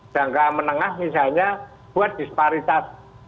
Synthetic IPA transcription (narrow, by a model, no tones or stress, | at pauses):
d̥ä̤ŋkamənəŋahmisalɲa | b̥ṳat̪̚d̪̥i̤səpaɾit̪as